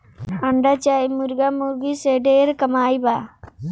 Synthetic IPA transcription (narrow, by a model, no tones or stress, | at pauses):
ɐɳɖat͡ʃajmuɾɡamuɡiseɖeɾkəmaːjba